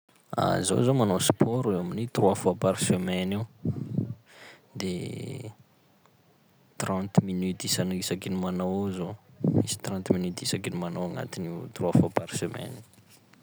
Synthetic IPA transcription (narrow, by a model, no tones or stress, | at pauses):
a̰zo̰zomanospʰɔɾewaminit̪ruwafapaɾisømɛniw | d̪e | t̪ɾãnt̪minyt̪isanisakinimanowzoisi̥t̪ɾɑ̃nt̪minyt̪isakinimanowaŋa̰t̪init̪ruwafapaɾi̥semɛ̰ni